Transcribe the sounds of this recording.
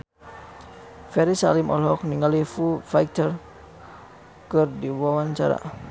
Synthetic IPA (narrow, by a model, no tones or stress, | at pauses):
fɛɾisa̰limʔɔlɦɔk̚niŋalifufajkt̪ər | kɨrdiwawant͡ʃa̰ɾa̰